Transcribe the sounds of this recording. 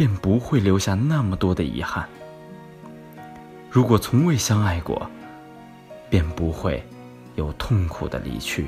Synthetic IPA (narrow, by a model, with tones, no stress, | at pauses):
pjɛ˥˩npu˧˥xwe˥˩ɪljo˧˥ʊɕja˥˧na˥˩mə˩t̪wɔ˥d̪ə˨ḭ˧˥xa˥˩n | ɻu˧˥kwɔ˨˩t͡sʰʊ˧˥ŋwe˥˩ɪɕjɑ˥ŋa˥˩ɪkwɔ̰˨˩˦ | pjɛ˥˩npu˧˥xwe˥˧ɪ | jo˨˩ʊt̪ʰʊ˥˩ŋkʰṵ˨˩d̪ə̰˦lḭ˧˩t͡ɕʰy̰˥˩